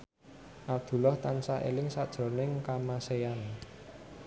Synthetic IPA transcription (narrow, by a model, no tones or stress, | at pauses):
ʔap̚d̪̥ṳlɔht̪ansaʔḛlɪŋsad̥ʒ̥ɾo̤nɪŋkamasejan